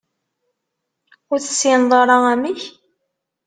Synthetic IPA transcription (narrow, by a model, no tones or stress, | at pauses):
ʊɾθəsːinðˤɑɾˤɑæmiç